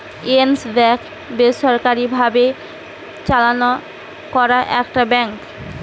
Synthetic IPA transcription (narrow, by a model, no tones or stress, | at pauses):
ensbɛk | beʃɔɾkaɾibʱabe | t͡ɕalano | kɔɾaʔɛkʈabɛŋk